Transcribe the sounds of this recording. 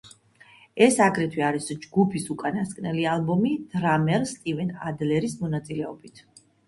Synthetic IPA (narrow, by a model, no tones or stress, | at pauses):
ɛsaɡɾɛt̪ʰwiaɾisd͡ʒɡupʰisukʼanaskʼnɛlialˠbɔmid̪̥ɾamɛɾst̪ʼivɛna̰d̪lɛɾismɔnat̪sʼilɛɔbit̪ʰ